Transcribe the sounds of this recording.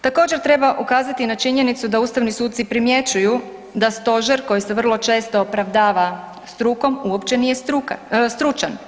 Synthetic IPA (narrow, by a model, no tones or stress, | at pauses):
t̪ako̞ːd͡ʑe̞ɾt̪ɾe̞baʔukaːzat̪inat͡ʃiɲe̞nit̪sud̪auːst̪aʋnisuːt̪̚t̪ipɾimje̞t͡ɕuju | d̪ast̪o̞ʒeɾko̞jise̞ʋr̩lˠo̞t͡ʃe̞st̪o̞ːpɾaʋd̪aːʋa | st̪ɾuko̞muo̞pt͡ɕe̞nije̞ɾukst̪ɾut͡ʃan